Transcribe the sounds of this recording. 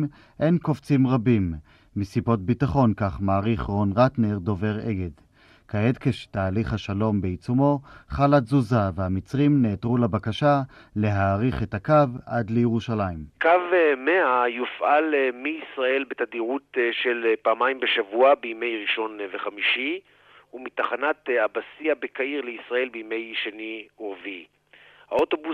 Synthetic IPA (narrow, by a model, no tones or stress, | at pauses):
ʔe̞jnkoft͡simʁabimː | isibo̞t̚bitaχo̞nkaχmaːʁiχʁonʁatneʁdo̞ve̞ʁḛɡed | kaedkeʃtaːliχhaʃalo̞mbeit͡sumo̞χalazuzavehamit͡sʁimneːtʁulabakaʃale̞ɦaːʁiχetakavʔadlejeʁuʃalaimkavmeajufʔalmiisʁae̞lbet̪adiʁutʃelpaːmaimbeʃavuabeime̞jʁiʃo̞nveχamiʃi | umitaχanatabasiabekaiʁleisʁae̞lbiime̞jʃeniuʁvi | haot̪obu